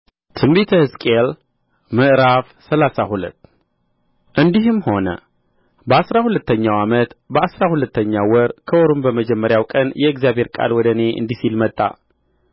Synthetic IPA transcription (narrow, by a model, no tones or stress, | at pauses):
t̪ʰɨmbet̪ʰəhɨskʼel | mɨʔɾafsəlasahulə̰t̪ː | ʔɨnd̪iɦɨmho̞nə̰ | bəasɾahulət̪ːəɲːawamət̪bəasɾahulət̪ʰːəɲːawɔɾkʰəoɾumbəməd͡ʒɛmːəɾjawkʼənjɛɨɡzijabhe̞ɾkʼa̰lwɔd̪əne̞ʔɨ̰nd̪isilmət̪ʼːa̰